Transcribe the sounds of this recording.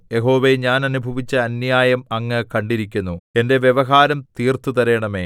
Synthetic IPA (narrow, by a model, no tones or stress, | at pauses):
jeɦo̞ːʋeɲaːnɐnubʱɐʋit͡ɕːɐɐnjaːjɐmɐŋːɐkɐɳɖiɾikʲːunːue̞nde̞ʋjeʋɐɦaːɾɐmt̪iːrt̪ut̪ɐɾe̞ːɳɐmeː